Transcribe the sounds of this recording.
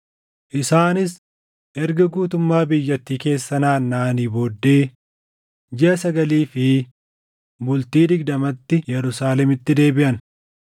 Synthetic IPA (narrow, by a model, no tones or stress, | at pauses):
ʔɪsaːnɪs | ʔɛɾɡɐɡuːt̪ʊmːaːbɪjːɐt̪ːiːke̞ːsːɐnaːnːaːniːboːd̪ːeː | d͡ʒɛʔɐsɐɡɐliːfɪ | bʊlt̪iːd̪ɪɡd̪ɐmɐt̪ːɪjɛɾʊsaːlɛmɪt̪ːɪd̪e̞ːbɪʔɐn